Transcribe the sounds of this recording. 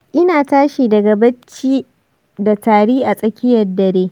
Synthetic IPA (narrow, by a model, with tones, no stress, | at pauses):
ʔɪ˦naː˨taː˦ʃiː˨dɐ˨ɡa˨bɐ˦t͡ʃːiː˦ | da˨taː˨ɽiː˦ʔa˨sʼɐ˨kʲɪ˦jɐ˨rdɐ˨ɾeː˦